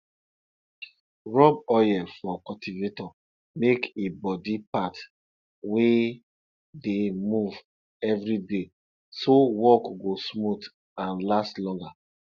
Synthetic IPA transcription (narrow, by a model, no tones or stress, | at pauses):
ɹɔb̚ɔjɛfɔkɔtivetɔ | mekebɔdipat | we | demuv | ɛvɹide | sowɔkɡosmut | ãnlastlɔ̃ŋɡa